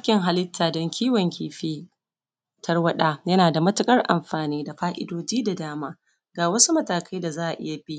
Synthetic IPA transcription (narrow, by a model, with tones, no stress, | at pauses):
a˦kʲɪ˨ŋɦa˨lɪ˦tʰːaː˨dɔ˦ŋkʲʰiː˦wɔ˨ŋkʲiː˨ɸeː˦ | tɐ˦rwɐ˦ɗaː˦jɐ˦naː˨da˨mɐ˦tʊ˨kʼɐ˦rʔa̰˨mɸaː˨niː˦da˨ɸaː˦ʔɪ̰˦doː˦d͡ʒiː˦da˨daː˦maː˦ | ɡaː˨wɐ˦su˦mɐ˦taː˨kʰɐ˦jda˨zaː˦ʔa˨ʔɪ̰˦ja˨bi˦ʔ